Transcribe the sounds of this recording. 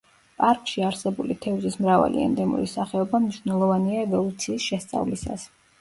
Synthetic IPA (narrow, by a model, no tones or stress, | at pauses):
pʼaɾkʼʃiaɾsɛbulit̪ʰɛuzismɾava̰lḭɛ̰nd̪ɛmṵɾisaχɛɔbamniʃwnɛlˠɔvaniaɛvɔlˠut̪sʰiːsʃɛst̪sʼa̰vlisa̰s